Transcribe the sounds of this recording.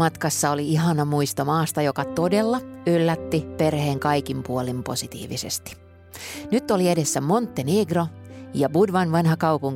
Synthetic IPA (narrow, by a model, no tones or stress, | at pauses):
mɑt̪kɑsːɑoliiɦɑnɑmuist̪omɑːst̪ɑjokɑt̪ode̞lːɑylːæt̪ːiperhe̞ːŋkɑjkimpuolimpo̞̰sit̪ḭːʋḭsḛst̪i̥ | nyt̪ːolie̞desːæmo̞nt̪ːeneːɡrojɑbudʋɑnʋɑnhɑkɑwpuŋ